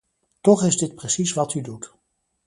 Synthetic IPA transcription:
tɔχɪzdɪt̚prəsisʋɑtydut

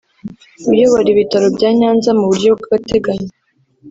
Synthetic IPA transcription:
ujoβaɾiβitaɾo̞bɟaːɲaːnzamuβuɾɟobɡuɡate̞ɡaɲe

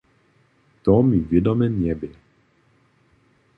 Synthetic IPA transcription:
t̪ɔmivjɛd̪ɔmɛnɛbɛ

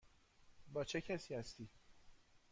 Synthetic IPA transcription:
bɒːt͡ʃʰecʰæsiːhæst̪iː

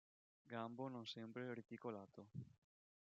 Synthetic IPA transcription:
ɡambononsɛmpɾeɾit̪ikolaːt̪ʰo

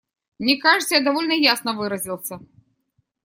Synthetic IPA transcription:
nʲɛkaʐɨt̪səjad̪avɔlʲnɐjasnɐvɨɾɐzʲilˠsʲɐ

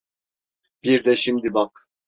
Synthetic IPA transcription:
b̥iɾd̪ɛʃimd̪ibak

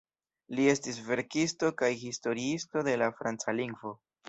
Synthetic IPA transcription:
lie̞stisve̞ɾkisto̞kajhisto̞ɾiisto̞de̞lafɾant͡saliŋɡvo̞

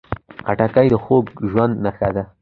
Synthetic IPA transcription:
a̰ʈakajd̪əxoɡʒwand̪naxad̪a

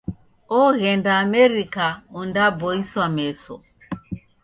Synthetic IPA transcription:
ɔɣɛndaːmɛɾikaundabɔiswamɛsɔ

